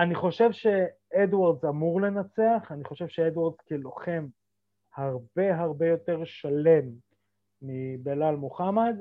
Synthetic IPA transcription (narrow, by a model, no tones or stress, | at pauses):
aniχo̞ʃe̞vʃe̞ed̪waʁd̪zamuʁle̞nat͡se̞aχaniχo̞ʃe̞vʃeed̪waʁd̪z̥kelo̞χe̞m | haʁbe̞ɦaʁbe̞jo̞t̪e̞ʁʃale̞mː | ibelalmoχamad̪